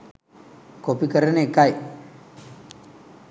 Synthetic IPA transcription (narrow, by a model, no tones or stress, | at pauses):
kopikəɾɐneːkaj